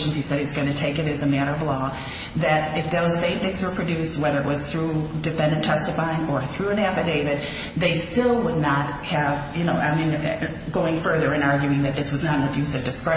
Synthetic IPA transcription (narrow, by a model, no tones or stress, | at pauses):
ʃn̩z̥isɛɾɨtzɡʌ̃ñɨtʰeɪkɨɾɨzɨmæɾə˞ʌvlɔ | ðɨɾɨfðoʊz̥sẽɪ̃mθɪ̃ŋzwə˞pʰɹ̥ɨdʉst̚wɛðə˞ɨʔ̚wʌz̥θɹudɨfɛ̃ndɨ̃ntʰɛstɨfaɪɪ̃ŋə˞θɹʉɨ̃næfɨdeɪvɨd̪̚ | ðeɪstɪlˠwədⁿnət̚hɨvjɨnoʊʔaɪmĩn | ɡoʊɪ̃ŋfɜ˞ðə˞ɨ̃nɑɹɡjʉɪ̃ŋðɨt̪̚ðɪswʌznəɾn̩ɨbjʉsʌvdɨskɹɛ